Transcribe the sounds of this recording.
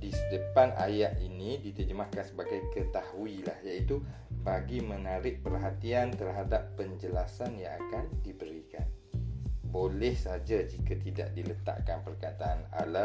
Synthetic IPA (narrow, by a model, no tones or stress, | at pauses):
disədəpana̰jaʔinĩdit̪əd͡ʒəmahkansəbaɡajkət̪ahuilahjait̪u | baɡimə̃naɾɪʔ̚pərɦat̪iant̪ərɦadapːəɲd͡ʒəlasanjãŋa̰kandibəɾika̰n | bolɛhsəad͡ʒad͡ʒikat̪ida̰ʔdilət̪a̰ʔkanpərkat̪aana̰la